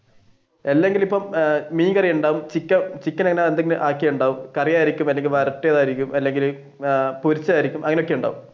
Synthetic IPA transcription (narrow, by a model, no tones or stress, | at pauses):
elːe̞ŋɡilipːɐmmiːkɐrijɐuɳɖaːʋumt͡ɕikʲːɐmt͡ɕikʲːɐnɐŋːɐneend̪eŋːɐnɨʔaːkːijɐjuɳɖaːʋumkɐrijaːjiɾikʲːumɐlːeŋɡilʋɐɾɐʈːejɐðaːjiɾikʲːumɐlːe̞ŋɡil | puɾit͡ɕːaːjiɾikʲːumʔɐŋɐneokːeuɳɖa̰ːʋum